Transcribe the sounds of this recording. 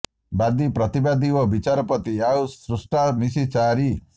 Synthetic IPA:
bad̪ipɾɔt̪ibad̪iɔbit͡ʃaɾɔpɔt̪iausɾusʈamisit͡ʃaɾi

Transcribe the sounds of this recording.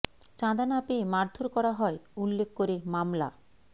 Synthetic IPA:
t͡ɕãd̪anapemaɾd̪ʱoɾkɔɾaɦɔeulːek̚ʰkoɾemamla̰

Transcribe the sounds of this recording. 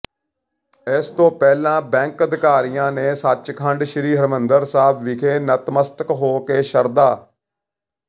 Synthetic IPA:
ɪst̪õːpɛːlãːbɛ̃ːŋkəd̪ɪkaːɾijãːneːsət͡ʃkʰəɳɖʃəɾiːɦəɾmənd̪əɾsaːbʋɪkʰeːnət̪məst̪əkɦoːkeːʃəɾd̪aː

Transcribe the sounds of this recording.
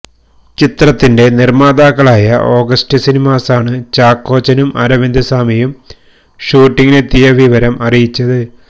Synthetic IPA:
t͡ɕit̪rɐt̪ːinde̞nirmaːd̪aːkːɐɭaːjɐʔo̞ːɡɐstɨsinimaːsaːɳɨt͡ɕaːkːo̞ːt͡ɕɐnumɐ̰ɾɐʋind̪ɐsaːmijum | ɕuːʈːiŋɡinet̪ːijɐʋiʋɐɾɐmɐrijit͡ɕːɐðɨ

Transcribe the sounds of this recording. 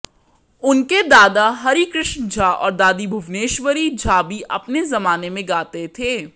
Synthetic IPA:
ʊnked̪aːd̪aɦɐɾikɾɪʃnd͡ʒʱaːʔɔ̰ːɾd̪aːd̪ibʱʊʋneːʃʋəɾid͡ʒʱaːbiʔɐpnezɐmaːnemẽɡaːt̪et̪ʰeː

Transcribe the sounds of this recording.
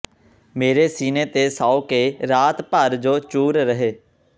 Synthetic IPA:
meːɾeːsiːneːt̪eːsaːoːkeːɾaːt̪pəɾd͡ʒoːt͡ʃuːɾɾəɦeː

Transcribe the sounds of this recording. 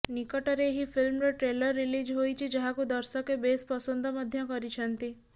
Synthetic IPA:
nikɔʈɔɾeːɦipʰilmɾɔʈɾelɔɾːilid͡ʒɦojt͡ʃʰid͡ʒaɦakud̪ɔɾsɔkebespɔsɔnd̪ʱɔmɔd̪ʱjɔkɔɾit͡ʃʰɔnt̪i

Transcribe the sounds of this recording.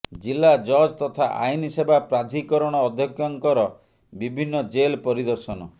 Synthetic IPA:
d͡ʒilːad͡ʒɔd͡ʒt̪ɔt̪ʰaʔa̰jnisebapɾad̪ʱikɔɾɔɽ̃ɔːd̪ʱjɔkjɔŋkɔɾɔ | bibʱinːɔd͡ʒelpɔɾid̪ɔɾsɔnɔ

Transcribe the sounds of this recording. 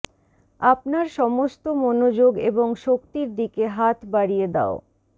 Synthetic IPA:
apnaɾʃɔmost̪omonod͡ʑoɡeboŋʃokt̪iɾd̪ikeɦat̪baɽijed̪a̰o

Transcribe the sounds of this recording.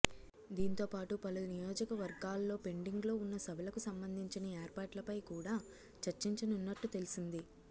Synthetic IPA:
d̪iːnt̪o̞ːpaːʈupɐlunijoːd͡ʒɐkɐʋɐɾɡaːlːo̞ːpe̞ɳɖiŋɡlo̞ːunːɐsɐbʱɐlɐkusɐmbɐnd̪ʱiɲt͡ʃinɐeːɾpaːʈlɐpɐjkuːɽaː | t͡ʃɐɾt͡ʃiɲt͡ʃɐnunːɐʈːut̪e̞lusind̪i

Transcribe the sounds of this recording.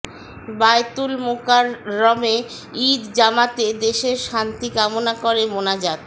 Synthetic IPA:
bajt̪ulmokaɾːɔme | id̪d͡ʑamat̪ed̪eʃeɾʃant̪ikamonakoɾemonad͡ʑad̪

